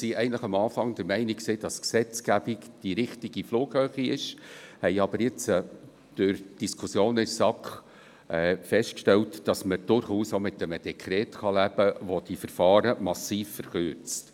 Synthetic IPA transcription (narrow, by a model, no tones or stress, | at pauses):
siɛɪɡəntləχɑmɑːfɑŋd̥̪əɾmɛɪnɪkksiːd̥ɑsksɛt͡sɡ̥æb̥ikd̥iɾɪχtiɡ̥ifluːɡ̥høːχiɪʃhɛɪɑb̥əɾjɪt͡sə | d̥øɾd̥iskʰusjoːnɪssɑkχ | ɛfɛstkʃtɛltd̥ɑsməd̥ʊɾχuːsomɪtːəməd̥ɛkʰɾɛːtχɑlæb̥əʋod̥ifəɾfɑːɾəmɑsiːfːəɾχʏɾt͡st